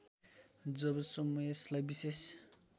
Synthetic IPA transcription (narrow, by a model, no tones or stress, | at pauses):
d͡zʌbʌsʌmujeslajbises